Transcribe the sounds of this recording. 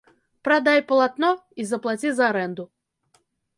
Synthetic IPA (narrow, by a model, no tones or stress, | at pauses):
pɾad̪ajpɐlˠat̪nɔizɐplˠat͡sʲizɐːɾɛnd̪ʊ